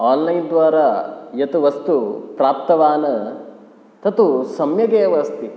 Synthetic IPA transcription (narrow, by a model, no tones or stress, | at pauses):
aːnlɐjnd̪ʋaːɾajɐt̪uʋɐst̪upɾaːp̚t̪ɐʋaːnɐ | t̪ʰɐt̪usɐmjɐɡeːʋɐst̪i